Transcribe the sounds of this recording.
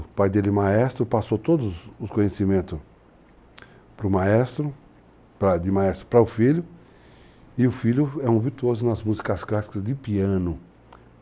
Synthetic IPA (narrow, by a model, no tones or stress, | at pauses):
pajd̪elɪmaɛst̪ɾʊpasowt̪od̪ʊzʊskõɲesimẽnt̪ʊs | pɾʊmaɛst̪ɾʊ | pɾɐd̪ɪmaɛst̪ɾʊpɾɐʊfiʎʊ | ɪʊfiʎʊɛũviɾt̪uozʊnɐzmuzikɐsklasi̥kɐzd̪ɪpiɐ̃nʊ